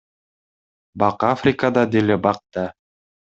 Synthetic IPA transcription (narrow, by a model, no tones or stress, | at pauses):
bɑqafɾʲɪkad̪ɑd̪ilɘbɑq̚t̪ɑ